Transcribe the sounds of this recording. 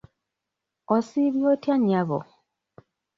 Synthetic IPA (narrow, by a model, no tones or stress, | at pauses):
osiβjotjaɲːaβo̰